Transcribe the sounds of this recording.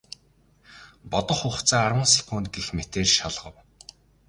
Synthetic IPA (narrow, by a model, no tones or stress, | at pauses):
pɔt̪ɞ̆χʊχt͡sʰaːarwə̆nsi̥kʰoːnt̪̚ɡexmet̪eːrʃaɮʁə̆w